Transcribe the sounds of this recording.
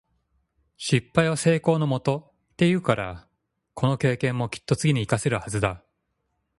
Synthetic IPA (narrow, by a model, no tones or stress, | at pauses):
ɕipːaiβase̞ːko̞ːno̞mo̞t̪o̞ | t̪ːe̞jɯ̟ːkaɾa̰ | kʰo̞no̞ke̞ːkẽ̞mːo̞kʲi̥t̪ːot͡sɨɡʲiɲ̟iːkase̞ɾɯ̟hazɨd̪a